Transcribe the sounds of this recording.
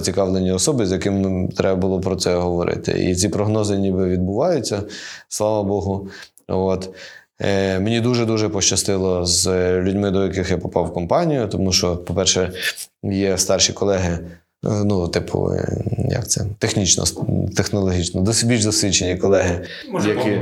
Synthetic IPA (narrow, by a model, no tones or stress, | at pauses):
t͡sʲikɑʋlˠenʲːiɔsɔbɪzjɐkɪmt̪ɾɛbɐbʊlˠɔpɾɔt̪sɛɦɔʋɔɾɪ̰t̪ɪ̰ʔḭt͡sʲipɾɔɦnɔzɪnʲibɪʋʲid̪bʊʋɑjʊt͡sʲːɐslˠɑʋɐbɔɦʊ | ɔt̪ | menʲid̪uʒɛd̪uʒɛpɔʃt͡ʃɐst̪ɪlˠɔzlʲʊdʲmɪd̪ɔjɐkɪxjapɔpɑwkɔmpɑnʲijʊt̪ɔmuʃt͡ʃɔpɔpɛrʃɛ | jɛst̪ɑrʃʲikɔlˠɛɦɪ | nut̪ɪpʰʊ̰jɐ̰kt̪sɛ̰t̪exnʲit͡ʃnɔ̰t̪exnɔlˠɔɦʲit͡ʃnɔd̪ɔsʲbʲilʲʒd̪ɔsʲʋʲit͡ʃːenʲikɔlˠɛɦɪ | jɐkʲi